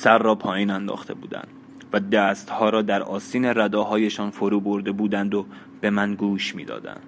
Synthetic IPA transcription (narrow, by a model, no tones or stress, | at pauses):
sæɾːɒːpʰɒːjiːnænd̪ɒ̰ːxt̪ʰe̞bṵːd̪æ̰nd̪ | væd̪æːst̪hɒːɾɒːd̪æɾɒːsiːne̞ɾæd̪ɒːɦɒːje̞ʃɒːnfoɾuːbo̞ɾd̪e̞buːd̪ænd̪o | b̥e̞mænɡuːʃmiːd̪ɒ̰ːd̪æ̰nd̪̥